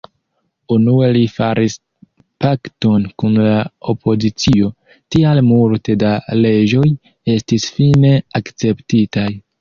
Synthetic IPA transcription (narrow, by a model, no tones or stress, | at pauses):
unue̞lifaɾʔis | pakto̞nkunlao̞pʰo̞zit͡sio̞ | tialmulte̞dale̞d͡ʒo̞j | e̞stisfine̞akt͡se̞ptitaj